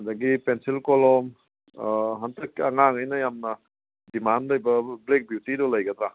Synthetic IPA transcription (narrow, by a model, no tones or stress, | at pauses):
ɐdɐɡipensilkolɔm | ɦɐntʰɐkɐŋaŋajnɐjamnɐ | dimandlɐjbɐblek̚bjutidɔlɐjɡɐd̪ɾa